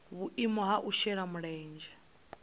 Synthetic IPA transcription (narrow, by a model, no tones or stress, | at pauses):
βuʔimɔɦaʔuʃɛɺamuɺɛːnd͡ʒɛ